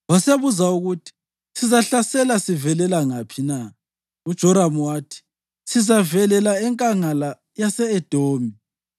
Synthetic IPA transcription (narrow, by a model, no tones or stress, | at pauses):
waseβuzauɣutʰi̥ | sizaɬasɛlasivɛlɛlaŋapʰina | ud̥ʒ̥ʱɔɾamwaːtʰi̥ | sizavɛlɛlaɛŋkʼaŋala | jasɛɛd̥ʱoːmi